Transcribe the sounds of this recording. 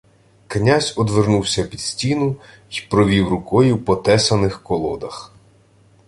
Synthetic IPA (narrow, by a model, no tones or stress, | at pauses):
knʲazʲɔd̪ʋernuwsʲɐpʲid̪̥sʲtʲinʊ | ipɾɔʋʲiwrʊkɔjʊpɔt̪ɛsɐnɪxkɔlˠɔd̪ɐx